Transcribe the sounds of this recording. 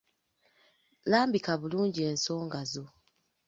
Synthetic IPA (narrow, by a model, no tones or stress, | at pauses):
laːmbikaβuluːɲɟie̞ːnso̞ːŋɡazo̞